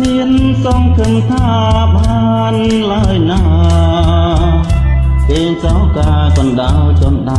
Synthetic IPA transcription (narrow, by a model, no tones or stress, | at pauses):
miən | sɑmkʰɨmt̪ʰaː | ɓaː | n | lajna | ʔeːɲt͡ɕawkaːkɔnɗawt͡ɕɔənɗa